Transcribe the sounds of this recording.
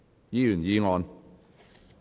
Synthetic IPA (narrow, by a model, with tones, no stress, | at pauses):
jiː˨˥jyː˨˩njiː˨˧ŋɔː˧n